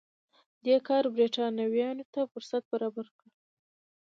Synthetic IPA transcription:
d̪ekɑɾbɾeʈɑnawjɑnot̪afʊɾsat̪̚baɾɑbaɾkɽə

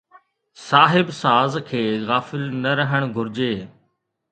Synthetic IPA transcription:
saːɦɪbsaːzkʰeːɣaːfɪlnɐɾəɦəɽ̃ɡʱʊɾɪd͡ʑeː

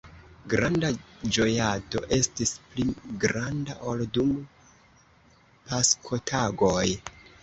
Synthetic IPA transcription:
ɡɾandad͡ʒo̞jato̞̰ʔe̞stispliɡɾandaʔoldum | paskʰo̞tʰaɡoj

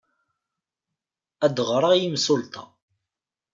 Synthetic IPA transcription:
æd̪əʁɾˤɑjimsʊlt̪ʰɑ̰

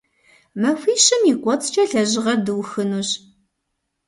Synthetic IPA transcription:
mɐfʷiːɕɪmikʷʼɔt͡sʼt͡ʃʼɐɬɐʑɪʁɐrdɨwxɨnuːɕ

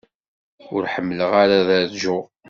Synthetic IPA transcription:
ʊɾħəmːələʁaɾaðæðʒʊʁ

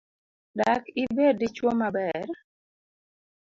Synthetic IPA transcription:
dakɪbedit͡ʃwomabɛɾ

